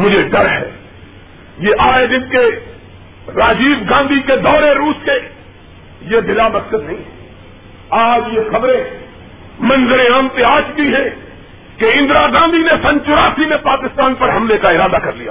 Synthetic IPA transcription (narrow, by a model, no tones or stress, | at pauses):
mʊd͡ʒʱeɖɐɾɦɛ̰ː | jeʔaːed̪ɪnke | ɾaːd͡ʒiːbɡãːnd̪ʱiked̪ɔːɾeɾuːske | jebɪlamɐssəd̪nɐɦĩːɦɛ | aːd͡ʒjexɐbɾẽ | mɐ̃nzəɾẽãmt̪eaːt͡ʃd̪iɦɛ̃ | keɪ̃nd̪ɾaɡãːnd̪ʱinesɐ̃nt͡ʃʊɾaːsimẽpaːkɪst̪aːnpɐɾɦɐmlekaɪɾaːd̪akɐɾlija̰ː